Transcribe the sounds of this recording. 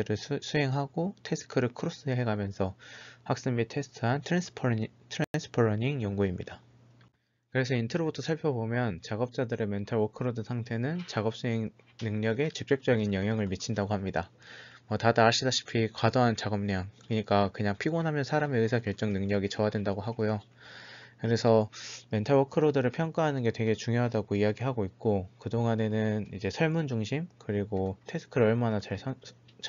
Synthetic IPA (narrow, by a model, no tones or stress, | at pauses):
ɯɾɯsʰuɦe̞ŋɦaɡotʰe̞s͈ʰɯ̥kʰɯɾɯɭkʰɯɾos͈ɯɦeɦeɡamjʌnsʰʌhak̚s͈ɯmitʰe̞sʰtʰɯɦantʰɾens͈ʰɯ̥pʰtʰɯɾens͈ʰɯ̥pʰoɾʌɲiŋjoŋɡuimɲḭda | kɯɾe̞sʰʌintʰʌɾobutʰosʰaɭpʰjʌbomjʌnt͡ɕaɡʌp̚t͡ɕ͈adɯɾe̞mentʰʌɭokʰɯɾodɯsʰaŋtʰe̞nɯnt͡ɕaɡʌp̚s͈uɦeŋ | nɯŋɲʌɡe̞t͡ɕɯk̚t͡ɕ͈ep̚t͡ɕ͈ʌɡinjʌŋɦjʌŋɯɭmit͡ɕʰindaɡohamɲida | mwʌtadaːɭɕ͈idaɕʰi̥pʰikwadoɦant͡ɕaɡʌmɲaŋkɯɯɲik͈akɯɲaŋpʰiɡonɦamjʌnsʰaɾame̞ɯsʰakjʌɭt͡ɕ͈ʌŋnɯŋɲʌɡit͡ɕʌadwe̞ndaɡoɦaɡojo | kɯɾe̞sʰʌme̞ntʰaɭwʌkʰɯɾodɯɾɯɭpʰjʌŋk͈aɦanɯnɡe̞twe̞ɡe̞t͡ɕuŋjoɦadaɡoijaɡiɦaɡoik̚k͈okɯdoŋane̞nɯnid͡ʑe̞sʰʌɭmund͡ʑuŋɕʰimkɯɾiɡotʰesʰɯ̥kʰɯɾʌɭmanat͡ɕaɭsʰ